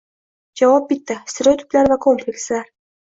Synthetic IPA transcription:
d͡ʒavɒp̚bɪt̪ːɪst̪eɾojt̪ʰʊ̥plaɾvakʰo̞mplʲekʲslaɾ

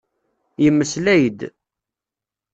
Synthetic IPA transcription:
jəmːəslæjəd̪

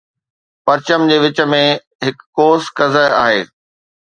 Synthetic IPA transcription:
pɐɾt͡ɕəmd͡ʑeːʋɪt͡ɕə̆mẽ | ɦɪkːoːskɐzəɦa̰ːɦḛː

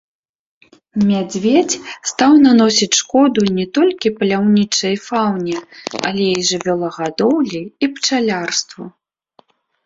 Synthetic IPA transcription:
mʲad͡zʲvʲet͡sʲst̪awnanɔsʲit͡sʲʂkɔd̪unʲɛt̪ɔlʲkʲipɐlʲawnʲit͡ʂɐjfawnʲɛɐ̰lʲɛiʐɨvʲɔlˠɐɣad̪ɔwlʲiipt͡ʂalʲarst̪vu

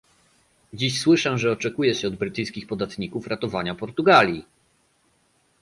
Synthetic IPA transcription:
d͡ʑiɕswɘʂɛʐɛɔt͡ʂɛkujɛɕɛɔd̪̚bɾɘt̪ɘjskʲixpɔd̪at̪ɲikufɾat̪ɔvaɲapɔɾt̪uɡalʲji

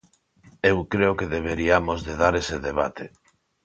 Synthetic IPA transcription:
ewkɾeokeðeβ̞eɾiamozðeðaɾeseðeβ̞a̰t̪ʰe

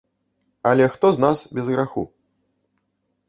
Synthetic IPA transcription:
ɐlʲɛxt̪ɔznasbʲɛzɣɾaxṵ

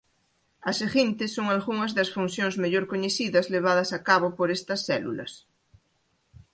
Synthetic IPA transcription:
ɐseɣint̪esːoŋalɣuŋɐzðasfunθjoŋzmeʎoɾkoɲeθiðɐzleβ̞að̞ɐsakaβopoɾest̪ɐsθɛlṵlɐ̰s

